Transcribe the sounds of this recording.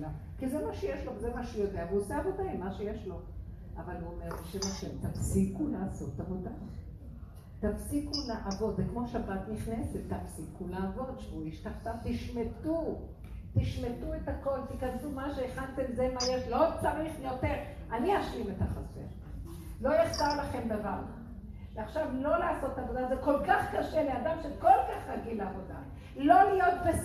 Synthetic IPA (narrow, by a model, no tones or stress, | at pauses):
a | kizemaʃejeʃlokzemaʃejodeavuoseabedajmaʃejeʃlo̞ | avaluomeʁiʃemaʃemt̪afsikulaːso̞̰tavoda | t̪afsikulaʔavo̞d̪zekmo̞ʃabat̪niχneset̪ːafsikulaːvo̞d̪ʃevuiʃt̪aχt̪at̪iʃmet̪u | t̪iʃmet̪uetako̞lt̪ikandumaʃeːχant̪emzemajeʃlo̞t͡saʁiχjo̞teʁ | aniaʃimet̪aχasḛʁ | lo̞jeχt̪aʁlaχe̞mdaval | veaχʃavlo̞laːso̞tavo̞d̪azeko̞lkaχkaʃeleadamʃekolkaχaɡileavo̞d̪a̰ | lo̞lijo̞t̪̚be